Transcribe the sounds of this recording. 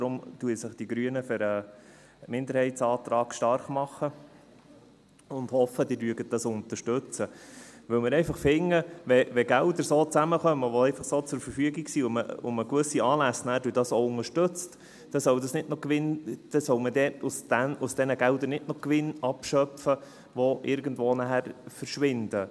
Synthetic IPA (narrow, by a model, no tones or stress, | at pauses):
d̥̪ɾʊmtuəsɪχd̥iɡɾyənəfɪɾə | mɪnd̪əɾhɛɪtt͡sɑːt̪ɾɑːɡ̥ʃtɑɾχmɑχə | ʊnd̪hɔfəd̥iːɾlyəɡət̚d̥ɑsʊnt̪əʃtɵt͡səʋɵwmɪɾɛɪfɑχfɪŋːəʋɛʋɛɡ̥æʊd̪əɾsoːt͡sæməχœmːəʋoɛɪfɑχsoːt͡sʊɾfəɾfyəɡiɡsiʊmə̰ʊ̰məkʋɵsiɑːlæsnæhɾdyːdɑsoʊŋəʃtɵt͡st | d̥ɛsœwdɑsnɪtnɔkʋɪnd̥ɛsœwmədɛːtʊsd̥ænʊsd̥ɛnəɡæʊd̪əɾnɪtnɔkʋɪnɑpʃœpfə | ʋoʔɪɾɡəndʋoːnæhæɾfəɾʃʋɪnd̥ə